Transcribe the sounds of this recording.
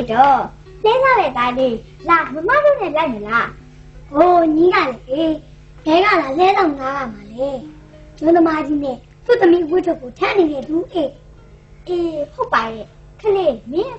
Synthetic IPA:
tɔ˦˨ | lɛ˦za˦˨ɾɛ˦˨t̪a˨d̪e˨ | la˨mə˨m̥a˦˨zo˦˨nɛ̃˦˨la˦ɪ̃˨mə˨la˦˨ | ɡo˨ɲi˦ɡa̰˦˨lɛ˨ʔe˨ | bɛ˨ɡa̰˦˨la˨lɛ˦zã˦˨ŋa˦ɡa˨ma˨lɛ˦ | jʊ̃˦t̪ə˦ma˦d͡ʑi˦nɛ̰̃˦˨ | t̪ṵ˦˨t̪ə˨mi˦˨wɪ˦˨tʰo˦˨ko˨tʰɛ̃˦ʔne˨ɾɛ˦˨d̪u˨ʔe˨ | ʔɪ˨ho˦˨pːa˨jɛ˦˨ | kʰə˨le˦˨mɪ̃˦

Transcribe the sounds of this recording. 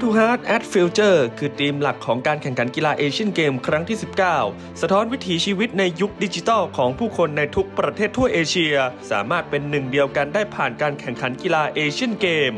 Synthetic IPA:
t̪ʰuː˧ɦaː˦˥t̪̚ʔɛ˦˥t̪̚fi˧˥wt͡ɕɤː˥˩kʰɯː˧t̪iː˧mla˨˩kʰːɔː˩˦ŋkaː˧nkʰɛ˨˩ŋkʰa˩˦nki˧laː˧ʔeː˧t͡ɕʰi˥˩˨nkeː˧mkʰɾa˦˥ŋt̪ʰiː˥˩si˨˩p̚kaː˥˩w | sa˧t̪ʰɔː˦˥nwi˦˥t̪ʰiː˩˦t͡ɕʰiː˧wi˦˥t̪̚na˧jːu˦˥k̚di˧˥t͡ɕi˧t̪ɔː˥˩wkʰɔː˩˦ŋpʰuː˥˩kʰo˧nːa˧jt̪ʰu˦˥k̚pɾa˧t̪ʰeː˥˩t̪ʰːu˥˩ɐʔeː˧t͡ɕʰi˧ɐsa̰ː˩˦maː˥˩t̪̚pe˧nːɯ˨˩ŋdi˧əwka˧ndaː˥˩jpʰaː˨˩nkaː˧nkʰɛ˨˩ŋkʰa˩˦nki˧laː˧ʔeː˧t͡ɕʰi˥˩ənkeː˧m

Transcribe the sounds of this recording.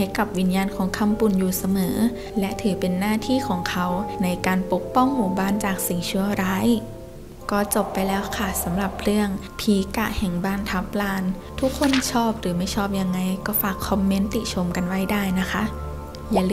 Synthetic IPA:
ha˧˩jka˨˩p̚wi˧˥njaː˧nkʰɔː˩˦ŋkʰa˧˥mpu˨˩njuː˨˩sa˧mɤː˩˦ | lɛ˦˥ʔt̪ʰɯː˨˩˦pe˧nːaː˥˩t̪ʰiː˥˩kʰɔː˩˦ŋkʰa˦˥wna˧jkaː˧npo˨˦˩k̚pɔ˥˩ŋmuː˨˩baː˥˩˨nt͡ɕaː˨˩k̚si˨˩ŋt͡ɕʰu˧˥ɐɾaː˦˥˨j | kɔː˥˩t͡ɕo˨˩pːa˧jlɛː˦˥wkʰa˥˩sa˩˦mɾa˨˩p̚ɾɯ˥˩əŋ | pʰiː˨˦ka˧˩ʔhɛ˨˩ŋbaː˥˩nt̪ʰa˦˥p̚laː˧nt̪ʰu˦˥kʰːo˧˥˨nt͡ɕʰɔː˥˩p̚ɾɯː˩˦ma˥˩jt͡ɕʰɔː˥˩p̚ja˧ŋːa˧jkɔː˥˩faː˨˩kʰːɔ˧mːe˦˥nt̪i˨˩t͡ɕʰo˧mka˧nwa˦˥jdaː˥˩jna˦˥kʰa˦˥ʔ | jaː˨˩l

